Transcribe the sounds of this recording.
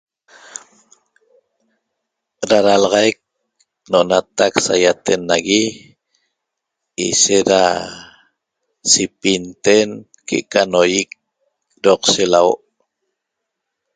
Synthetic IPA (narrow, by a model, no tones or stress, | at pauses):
ɾaɾalʁɑjk̚ | noʔonat̪aksajat̪enːaɣi | ḭʃeɾa | sipint̪en | kḛʔkanojik̚ | ɾoqselawoʔ